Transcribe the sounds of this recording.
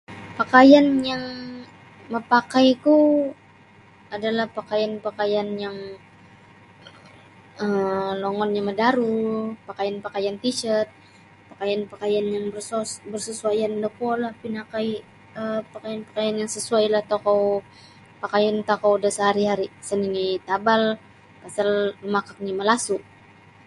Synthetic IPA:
pakajanjaŋ | məpakajk̪u | adalahpakajanpakajanjaŋ | əmloŋɔnɲamədaɾupakajanpakajant̪it͡ʃət̪̚ | pakajanpakajanjaŋbsbərsəsuajandəkuɔlahpinakai | əpakajanpḁkajanjaŋsəsuajlaht̪okɔw | pakajant̪akɔwdasəɦaɾiɦaɾisəninit̪abal | pasalmakak̚ɲiməlasuʔ

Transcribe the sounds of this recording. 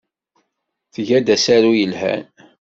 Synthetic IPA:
θʝæd̪æsaɾujəlhæ̰n

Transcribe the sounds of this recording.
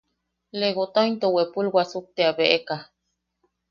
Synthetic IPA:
leɣot̪ojnt̪owepulwʷasuk̚t̪eabeʔeka

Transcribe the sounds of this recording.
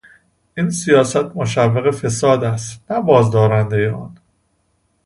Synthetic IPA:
ʔiːnsijɒːsæt̪̚ʰmoʃævːeɣe̞fe̞sɒːd̪æst̪næbɒːzd̪ɒːɾænd̪e̞jeɒ̰ːn

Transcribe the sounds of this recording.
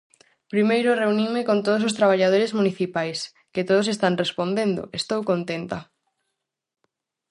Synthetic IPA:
pɾimejɾʊreunimɪkont̪oð̞os̬ost̪ɾaβ̞aʎað̞oɾezmuniθipajs | kɪt̪oðosest̪anrespond̪end̪ʊ̰est̪owkont̪ent̪a

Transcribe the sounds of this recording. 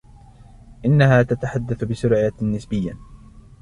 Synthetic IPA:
ʔɪnːahaːt̪at̪aħad̪ːaθbɪsʊɾʕɪjanɪsbɪjːa

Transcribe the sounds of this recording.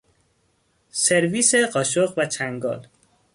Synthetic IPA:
seɾviːseɢɒːʃoɣvæt͡ʃʰæŋɡɒ̰ːl

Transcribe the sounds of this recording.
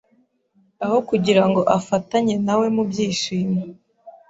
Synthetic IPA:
aho̞kuɟiɾaŋɡo̞ʔafataɲe̞nawe̞mubɟiːʃiːma

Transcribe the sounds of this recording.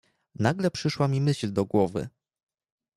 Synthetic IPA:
naɡlɛpʂɘʂwamʲimɘɕld̪ɔɡwɔvɘ̰

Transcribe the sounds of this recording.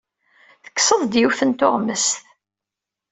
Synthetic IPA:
θə̥kːsəðˤd̪jufənt̪ʊʁməst̪

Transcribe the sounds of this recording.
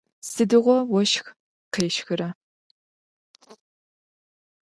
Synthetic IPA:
sɨdɨʁʷɔwɔʃx | qeːʃxɨɾɐ

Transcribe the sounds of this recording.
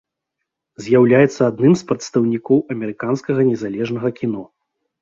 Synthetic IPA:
zʲjawlʲajɛt̪sːɐad̪nɨmspɾɐt̪st̪ɐwnʲikɔwɐmʲɛɾɨkanskɐɣɐnʲɛzalʲɛʐnɐɣɐkʲinɔ

